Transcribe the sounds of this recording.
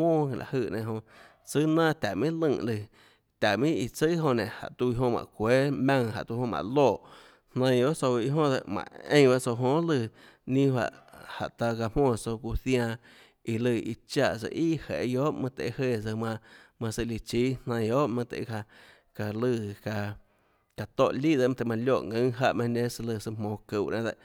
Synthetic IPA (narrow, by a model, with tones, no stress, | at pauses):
mõː˦˧˨la̰˨hɨ˧˨nẽ˧˨ɦõ˧ | t͡sɨ˦nãː˦˨t̪ʲa˨mĩ˦lɨ̃˧˨lɨ˧˨ | t̪ʲa˨ʔmĩ˦i˧˨t͡sɨ˦ɦõ˧˨nẽ˨ha̰˨ʔt̪u˧i˧ɦõ˧mã̰˨kʷeː˦mã˧ŋɦa̰˨ʔt̪u˧hõ˧mã̰˧˨loː˦˧˨ʔ | hnã˧˦˧o˦ʔt͡so˧i˧˦ɦõ˦d̪ə̰˧ʔmã̰˨ḛ̃˧˦˧ba˦ʔt͡so˧ɦõ˧˦lɨ˧˨ | nĩ˦hwa̰˧˨ʔha̰˨ʔt̪a˧ka˧mwɔ̃ː˧˨so˧ku˧θj̃ã˧ | i˧lɨ˧˨i˧t͡ʃa˧˨sə̰˧˨ʔi˦˨hḛ˨˧joː˦ʔmã˧t̪ḛ˨˧he˧˨sə˧mã˧mã˧sə˧li˧t͡ʃiː˦nnã˧j̃o˦ʔmã˧t̪ḛ˨˧a˧ | ka˧lɨ˧˨ka˧ | ka˨t̪o˧˨ʔliː˦˨d̪e˧˨m̃˧t̪e˧˨mã˧ljo˦˨ŋɨ̃˧˦ɦa˧ʔmã˧nẽ˦sə˧lɨ˧˨sɨ˧mõː˧˨kɨ˧˨ʔnã˧d̪e˧ʔ